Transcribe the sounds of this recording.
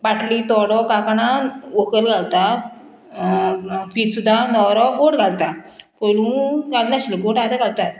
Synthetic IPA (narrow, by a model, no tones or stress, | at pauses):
baʈliːt̪ɔɽɔkakanaokəlɡʱalt̪a | fiːt̪sud̪ʱːanɔwɾɔɡoʈɡʱalt̪apolũːɡalnaɕləɡoʈad̪aɡalt̪at̪